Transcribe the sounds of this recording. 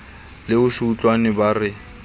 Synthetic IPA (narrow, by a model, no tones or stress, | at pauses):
lɪʊʃuːt͡ɬʼwanɪbarɪ